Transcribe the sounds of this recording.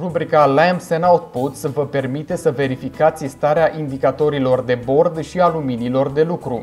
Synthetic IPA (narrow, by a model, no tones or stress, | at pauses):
rubɾikalamsenawt̪put̪svəpe̞rmit̪e̞səve̞ɾifikat̪sʲst̪aɾeaʔind̪ikat̪o̞ɾilo̞rd̪e̞bo̞rd̪ʃialuminilo̞rd̪e̞lukɾu